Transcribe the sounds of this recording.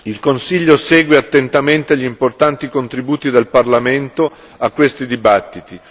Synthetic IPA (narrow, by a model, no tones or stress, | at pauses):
ilkonsiʎːosɛːɡweat̪ːent̪ament̪eʎːimport̪ant̪ikont̪ɾibuːt̪id̪elparlament̪o | akːwest̪id̪ibat̪ːit̪i